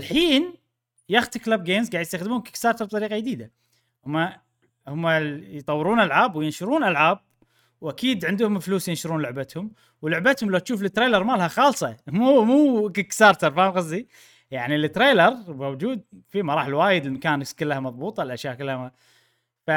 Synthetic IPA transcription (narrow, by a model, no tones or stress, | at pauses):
ʔɪlħiːn | jaxt̪ɪklab̚ɡeːmzɡaːʕjst̪axd̪muːnkɪ̥kst̪ɑːɾt̪ɑɾb̪̚ˤɑɾiːqɑjd̪iːd̪a | hʊmːa | hʊmːajt̪ˤɑwːɪɾuːnʔalʕaːbwjɪnʃʊɾˤuːnʔalʕaːb̚ | wʔakiːd̪ʕɪnd̪hʊmfluːsjɪnʃʊɾˤuːnlʊʕbat̪hʊm | wlʊʕbat̪hʊmlawt̪ʃuːflɪt̪ːɾeːlɑɾˤmalhaxɑːlsˤɑmumuːkɪkst̪ɑɾˤt̪ɑɾˤfaːɣɑzˤːi | jaʕnilɪt̪ːɾeːlɑɾmawd͡ʒuːd̪̚fimɑɾˤɑːħɪlwaːjɪd̪ɪlmakaːnkɪlːahamɑðˤbuːt̪ˤɑlʔaʃjaːʔkɪlːhaa | fa